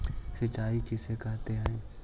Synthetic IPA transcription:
sɐt͡ʃaːikɪsekaɦt̪eɦɛ̃ː

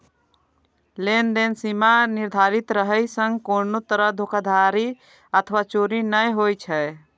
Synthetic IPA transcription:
lend̪ensimaniɾd̪ʱaɾit̪ɾəɦəjsə̃ŋɡkonot̪əɾəɦd̪ʱokad̪ʱaɾi | ət̪ʰʋat͡ʃoɾinəjɦojt͡ʃʰɛ

